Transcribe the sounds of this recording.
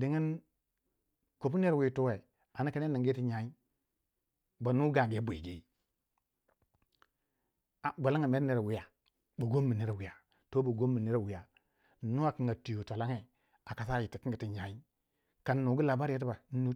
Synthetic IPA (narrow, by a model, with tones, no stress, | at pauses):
di˨ŋi˦n | ko˨pu˦ne˦ɾwi˨tu˦we˨ | a˨na˦ka˦ne˦ni˨ŋɡi˦ti˦ɲa˨i˦ | ba˨nu˦ɡa˨ɡe˦bu˨ḭ˨ɡi˦ | a˨ɡʷa˨la˦ŋa˨me˦ɾne˦˨ɾe˨wi˨ja˨ | bo˨ɡo˦mːi˨ni˦ɾe˨wi˨ja˨ | to˦ba˨ɡo˦mːi˨ni˦ɾe˨wi˨ja˨ | nu˦a˨ki˨ŋɡa˨tu˨jo˨tʷa˨la˦ŋe˨ | a˨ka˨sa˦˨ji˨ti˨ki˦ŋ˦ɡi˨ti˦ɲa˨i˦ | ka˨nː˦u˨ɡu˦la˨ba˦ɾa˦ti˦ba˨n˦nu˦